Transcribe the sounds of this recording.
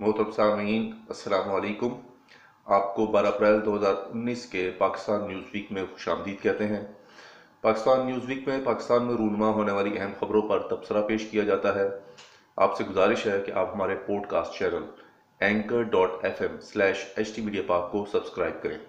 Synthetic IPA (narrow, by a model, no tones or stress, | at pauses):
moːt̪ɾəbsaːmiːnɐsːɐlaːmaːliːkʊm | aːp̚kobaːɾaɐpɾɛːld̪oːɦɐzaːɾʊnːiːskepaːkɪ̥st̪aːnːjuːzʋiːkmẽxʊ̥ʃaːmd̪iːd̪̚kɛɦt̪eɦɛ̃ː | paːkɪst̪aːnːjuːzʋiːkmẽpaːkɪst̪aːnmẽɾuːnmaɦoːneʋaːliʔɛɦɛmxɐbɾõpɐɾt̪ɐbsəɾapeːʃkijad͡ʒaːt̪aɦɛː | a̰ːpseɡʊzaːɾɪʃɦɛkeʔa̰ːpɦɐmaːɾepɔːɖka̰ːsʈt͡ʃɛːnəl | ɛ̃ːŋkəɾɖɔːʈɛfɛmslɛːʃɛt͡ʃʈimiːɖijapɐɾaːp̚kosɐbskɾaːɪb̚kɐɾḛ̃ː